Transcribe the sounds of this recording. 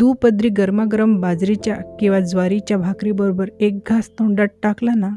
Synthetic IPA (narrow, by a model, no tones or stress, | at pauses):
d̪upəd̪ɾiːɡəɾmaɡɾəmbad͡zɾit͡ɕjakĩwʋad͡zʋaɾit͡ɕjabʱakɾibəɾobəɾek̚ɡʱast̪ʰoɳɖəɽʈaklana